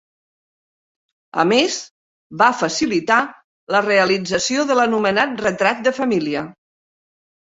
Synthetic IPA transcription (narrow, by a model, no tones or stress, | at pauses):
ə̰mez | βafəsilit̪a | ləreəlid͡zəsioðələnumənat̪̚rət̪ɾat̪̚d̪əfəmiliə